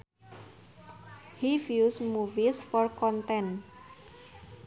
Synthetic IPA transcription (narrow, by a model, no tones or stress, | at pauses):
hifjusmuvisfɔrkɔnt̪ɛn